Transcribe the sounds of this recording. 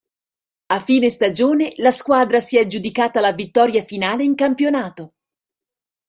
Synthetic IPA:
afːiːnest̪ad͡ʒoːnelaskwaːd̪ɾasiɛd͡ʒud̪ikaːt̪alavit̪ːɔːɾjafinaːleiŋkampjonaːt̪o

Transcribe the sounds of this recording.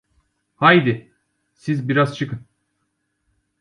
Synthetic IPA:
hajd̪ɪ | sizbiɾaz̥t͡ʃʰɯkɯn

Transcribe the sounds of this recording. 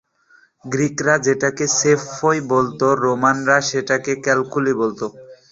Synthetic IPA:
ɡɾikɾad͡ʑeʈakesefojbolt̪oɾomanɾaʃeʈakekɛlkulibolt̪o

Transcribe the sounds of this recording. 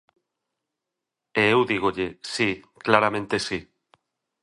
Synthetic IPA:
eewðiɣ̞oʎesiklaɾamẽnt̪esi

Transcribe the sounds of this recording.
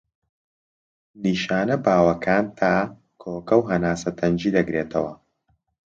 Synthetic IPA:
niːʃaːnɐbaːwɐkʰaːnt̪ʰaː | kʰoːkɐwɦɐnaːsɐt̪ʰɐnd͡ʒiːd̪ɐɡɾeːt̪ʰɐwɐ

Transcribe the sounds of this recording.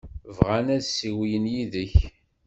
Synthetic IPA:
vʁænæðsiwijənjiðəç

